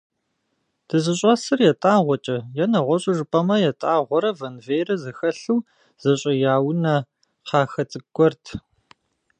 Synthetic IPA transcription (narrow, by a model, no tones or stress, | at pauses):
d̥ɨzɨɕʼɐsɨrjɛtʼaːʁʷɔt͡ʃʼɐjɛnɐʁʷɔɕʼɪʐɨpʼɐmɐjɛtʼaːʁʷɔɾɐvɐnveːjɾɐzɐxɐɬɨw | z̥ɐɕʼɐjaːwnɐ | qɑːxɐt͡sʼɨɡʷɔrtʰ